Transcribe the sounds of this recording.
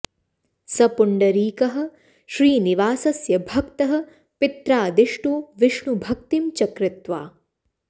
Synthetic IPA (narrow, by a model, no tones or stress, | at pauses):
sɐpuɳɖɐɾiːkɐɦɐ̆ | ʃɾiːniʋaːsɐsjɐbʱɐkt̪ɐɦɐ̆ | pɪt̪ɾaːd̪iʂʈuʋɪʂɳubʱɐk̚t̪imt͡ʃɐkɾɪt̪ʋaː